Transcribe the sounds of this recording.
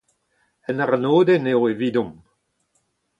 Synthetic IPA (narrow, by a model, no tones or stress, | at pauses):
ɛnaʁnoːd̪eneoeviːd̪ɔ̃m